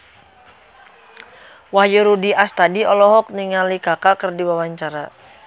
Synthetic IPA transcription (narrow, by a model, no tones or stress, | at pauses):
wahjuɾudiʔast̪adiɔlɔɦɔk̚niŋalikakakərdiwawaɲt͡ʃaɾa